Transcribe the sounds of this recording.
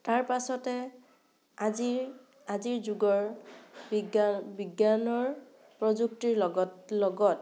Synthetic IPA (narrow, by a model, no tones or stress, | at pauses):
taɹpasɔtɛ | azi | aziɹzuɡɔɹ | biɡjanɔɹ | pɹɔzuk̚tiɹlɔɡɔt̚